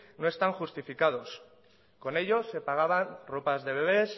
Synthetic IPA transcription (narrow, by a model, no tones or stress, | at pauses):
no̞e̞st̪aŋxust̪ifikað̞o̞s | ko̞ne̞ʎo̞se̞paɣ̞aβanro̞pazðe̞β̞e̞β̞e̞s